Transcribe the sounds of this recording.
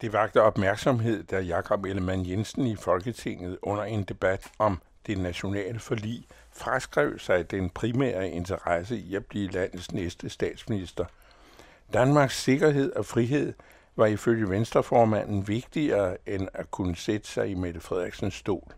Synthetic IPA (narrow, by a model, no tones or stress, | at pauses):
d̥e̝ʋɑ̈ɡ̥d̥əɒ̽b̥mæɐɡ̥sɒ̽mɦe̝ð̞̰ˠd̥æɐjɑ̈kʰɒ̽b̥eləmænjensn̩ifɒ̽lɡ̥ət͡sʰe̝ŋ̰ð̩ˠɔ̽n̰ɐe̝nd̥e̝b̥æd̥ɒ̽m | d̥e̝næɕo̝nɛ̰ːləfɒlḭː | fʁasɡ̥ʁɛʊsɑ̈ɪd̥enpʰʁimæ̰ːɐe̝nt͡sʰɐʁɑsəiæb̥liəlæn̰ð̩ˠsnesd̥əsd̥ɛ̰ːd̥sminisd̥ɐ | d̥ænmɑ̈ːɡ̥sːe̝ɡ̥ɐɦe̝ð̞̰ˠɒ̽fʁiɦe̝ð̰ˠ | ʋɑ̈iføljəʋensd̥ʁɐfɒːmæn̰n̩ʋe̝ɡ̥̚d̥iɐːenækʰunəsed̥ə̥sɑ̈ɪimeð̥əfʁɛð̞̰ˠeɡ̥sənsːd̥o̝̰ːl